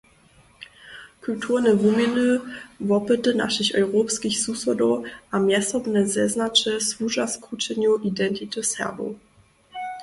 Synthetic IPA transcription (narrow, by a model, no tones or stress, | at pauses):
kʰultʰuʁnəvuminəvɔpətəna̰ʃəɕɔʏʁoːpskiçsusɔdɔʔamjɛsɔbnəzɛznat͡ʃəsvuʒaskʁut͡ʃɛnjuʔidɛntitəsɛ̰ɐbo̰